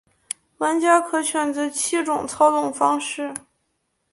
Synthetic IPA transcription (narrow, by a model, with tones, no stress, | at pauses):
la˧˥nt͡ɕja˥kʰɤ˥t͡ɕʰɥɛ˧˩nd͡zə˧˥t͡ɕʰi˥ʈ͡ʂʊ˨˩ŋt͡sʰɑ˥ʊt̪ʊ˥˩ŋfɑ˥ŋʂɻ̩˥˩